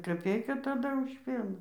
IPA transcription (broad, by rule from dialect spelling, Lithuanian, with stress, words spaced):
kɐˈpʲɛɪkɐ tɐˈdɐ ʊʃ ˈpʲiɛnɑː